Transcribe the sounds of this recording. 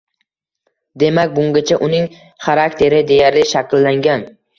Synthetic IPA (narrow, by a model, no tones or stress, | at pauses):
d̪e̞makʲbʊŋɡʲat͡ʃʰaʔʊnɪŋ | χaɾakt̪ʰe̞ɾɪd̪e̞jaɾlɪʃakʲlːaŋɡʲan